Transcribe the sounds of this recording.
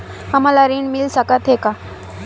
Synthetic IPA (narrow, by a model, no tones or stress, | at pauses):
hamalaɾiːɳmilsakat̪ɦeka